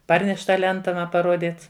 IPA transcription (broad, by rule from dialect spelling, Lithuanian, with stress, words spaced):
ˈpɐrʲnʲɛʃʲ ˈtɑː ˈlʲɛntɐ ˈmɐ pɐˈruɔdʲiːt